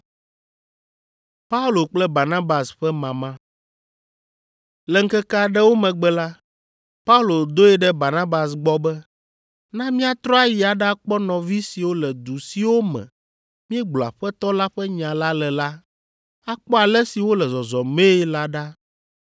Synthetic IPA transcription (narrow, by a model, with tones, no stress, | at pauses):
pa˦u˦lo˨k͡plɛ˦ba˨nã˦ba˨sɸɛ˦mã˨mã˦ | lɛ˨ŋ̩˦kɛ˦ka˦ɖɛ˦wo˦mɛ̃˨ɡ͡bɛ˨la˦ | pa˦u˦lo˨d̪o˦ɛ˦ɖɛ˦ba˨nã˦ba˨s̬ɡ͡bɔ˦bɛ˦ | nã˦mĩ˦a˨t̪ɾɔ˦a˦ji˨a˨ɖa˦k͡pɔ˦nɔ̃˨vi˦si˨wo˦lɛ˨d̪u˨si˨wo˦mɛ̰̃˨ | mĩ˦ɛ˦ɡ͡blɔ˨a̰˨ɸɛ˦t̪ɔ˦la˦ɸɛ˦ɲã˨la˦lɛ˨la˦ | a˦k͡pɔ˦a˨lɛ˦si˨wo˦lɛ˨zɔ˨zɔ˨me˦la˦ɖa˦